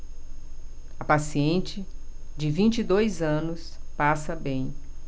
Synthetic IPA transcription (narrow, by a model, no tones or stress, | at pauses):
ɐpasiẽnt͡ʃɪd͡ʒɪvĩnt͡ʃid̪ojzɐ̃nʊspasɐbẽj̃